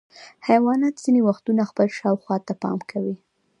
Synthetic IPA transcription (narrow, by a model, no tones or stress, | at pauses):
hajwɑnat̪z̥inewaxt̪unaxpəlʃɑwxwɑt̪apɑ̰mkʰawi